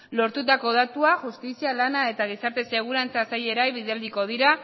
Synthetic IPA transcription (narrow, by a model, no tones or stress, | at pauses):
lo̞ɾt̪ut̪ako̞ð̞at̪uaʝust̪isialanae̞t̪aɣ̞isaɾt̪e̞se̞ɣ̞uɾant͡sasaje̞ɾajβiðeld̪iko̞ð̞iɾa